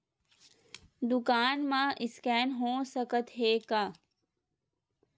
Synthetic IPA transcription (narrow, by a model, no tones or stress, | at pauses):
d̪ʊkaːnmãʔɪskɛːnɦõːsəkət̪ɦeːkaː